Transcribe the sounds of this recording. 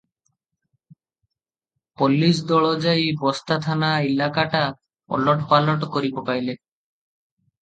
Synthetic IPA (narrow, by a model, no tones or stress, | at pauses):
polːis̬d̪ɔɭod͡ʑajbɔst̪at̪ʰanaelakaʈa | ɔ̰lɔʈpalɔʈkoɾipopajle